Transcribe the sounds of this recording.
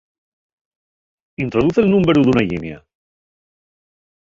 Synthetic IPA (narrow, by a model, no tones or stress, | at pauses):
int̪ɾoðuθelnũmbeɾuðunaʎḭnja̰